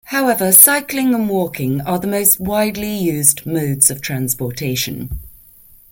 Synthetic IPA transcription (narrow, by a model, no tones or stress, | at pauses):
haʊɛvəsaɪklɪ̃ŋə̃nwɔˑkɪ̃ŋəðəməʊst̚waɪdˡlijʉːzməːdz̥əv̥tʰɹ̥ãnspɔˑtʰeɪʃə̰̃n